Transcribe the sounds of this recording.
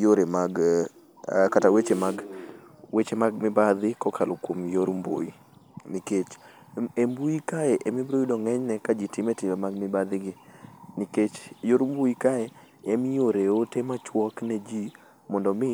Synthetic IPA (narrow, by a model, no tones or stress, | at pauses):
joɾemaɡ | katawet͡ʃemaɡ | wet͡ʃemaɡ̚mɪbad̪ɪkɔkʰalokwomjoɾmbo̰i | niket͡ʃ | embuikaɛʔɛmibɾoidɔŋɛɲnɛkad͡ʒɪtɪmetɪmemaɡmɪbad̪ɪɡɪniket͡ʃjoɾumbuikaɛ | ɛmɪjoɾeotemat͡ʃwɔknɛd͡ʒi | mɔndɔmɪ